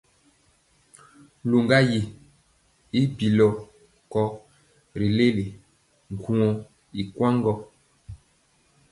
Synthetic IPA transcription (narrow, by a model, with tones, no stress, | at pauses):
lo˨ŋɡa˦ji˨ | i˦bi˨lɔ˨ | kɔ˦ | ɾi˨le˦le˨ | ŋ˨ɡu˦˨ɔ˨ | i˨kwã˦ŋɡɔ˦